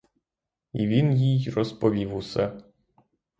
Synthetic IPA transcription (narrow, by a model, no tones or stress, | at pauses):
iʋʲinjijrɔspɔʋʲiwusɛ